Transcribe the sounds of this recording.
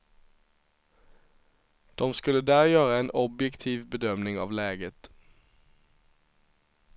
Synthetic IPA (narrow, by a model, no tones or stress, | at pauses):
d̪̥ɔmskʉləd̪æːʁjøːʁəeːnʔɔbjɛkt̪ʰiːʋbəd̪œmnɪŋɑ̰ːʋleːɡət̪